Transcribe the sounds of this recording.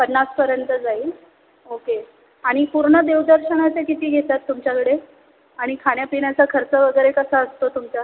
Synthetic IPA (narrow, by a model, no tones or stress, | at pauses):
pənːaspəɾjənt̪əd͡zai | oke | aɽ̃ipuɾɳəd̪ewd̪əɾɕəɳ̃at͡sekit̪iːɡʱet̪at̪ːumt͡ɕjakəɽe | aɽ̃ikʰaɽ̃japiɽat͡sakʰəɾt͡səʋəɡəjɾekəsəəst̪ot̪umt͡sa